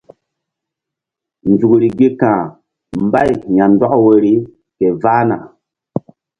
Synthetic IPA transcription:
nd͡zu˨kɾi˨ɡi˦kãː˨ | mba˦˨jja˨ndɔ˦ʔwə˨ɾi˦ | ke˨vaː˦na̰˨

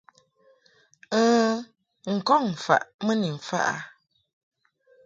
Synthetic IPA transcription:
əː˦ | ŋ̩˨kɔ˦˨ŋ̩˨fa̰˨ʔmə˦ni˨m̩˨fa̰˦ʔa̰˨

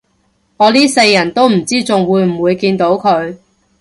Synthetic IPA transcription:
ŋɔː˨˧liː˥se˧jːɐ˨˩nt̪o˥wm̩˨˩t͡siː˥t͡sʊ˨ŋwuː˨˧jm̩˨˩wuː˨˧jkiː˧nt̪o˨˥wkʰɵ˨˧ɥ

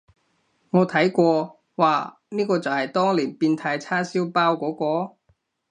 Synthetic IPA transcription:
ŋɔː˨˧t̪ʰɐ˨˥jkʷɔː˧ | wa̰ː˨ | niː˥kɔː˧t͡sɐ˨whɐ˨jt̪ɔː˥ŋliː˨˩npiː˧nt̪ʰaː˧jt͡sʰaː˥siː˥wpaː˥wkʷɔː˨˥kʷɔː˧

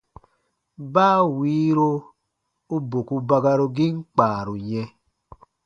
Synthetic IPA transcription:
baː˦˨wiː˦ɾo˦ | u˦bo˨ku˦ba˦ɡa˧ɾo˧ɡi˦ŋ͡m̩˦k͡paː˨ɾu˨ɲɛ˦

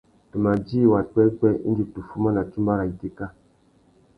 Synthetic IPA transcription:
tu˨ma˨d͡ʒi˦˨wa˨k͡pɛ˦k͡pɛ˦ḭ˦d͡ʒi˨tu˨fu˦ma˦na˨t͡ʃu˦mba˦ɾa˨i˨te˦ka˦

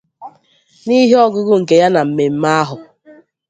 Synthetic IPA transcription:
ni˦ɦi˦ɔ˦ɡʊ˦ɡʊ˦ŋ̩˨ke˨ja˦na˨m̩˨me˨m̩˦ma˦a˦ɦʊ˨

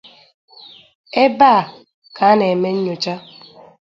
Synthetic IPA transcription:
e˦baː˦˨ | ka˨˦ne˨me˦ɲ̩˦ɲo˨t͡ʃa˦

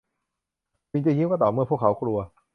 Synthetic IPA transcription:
pi˧˦ŋt͡ɕa˧˩˨ji˥˨kaː˧˥˩t̪ɔː˨˩mɯ˧˩əpʰu˥˩əkʰa˦wkʰɾu˧ɐ

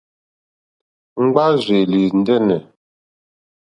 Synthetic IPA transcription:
ŋ͡m̩˦ɡ͡ba˦ze˨li˨n̩˦dɛ˦nɛ˨

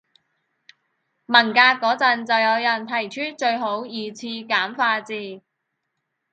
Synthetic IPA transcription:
mɐ˨˩nkaː˧kːɔː˨˥t͡sɐ˨˧nt͡sɐ˨wjɐ˨˧wjɐ˨˩nt̪ʰɐ˨˩jt͡ʃʰyː˥t͡ʃɵ˧ɥɦo˨˥wjiː˨t͡sʰiː˧kaː˨˥mfaː˧t͡siː˧

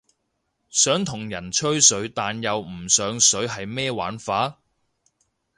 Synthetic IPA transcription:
sœː˨˥ŋt̪ʰʊ˨˩ŋjɐ˨˩nt͡ʃʰɵ˥ɥsɵ˨˥ɥt̪aː˨njɐ˨wm̩˨˩sœː˨˧ŋsɵ˨˥ɥɦɐ˨jmɛː˥wa̰ː˨˥nfaː˨˥

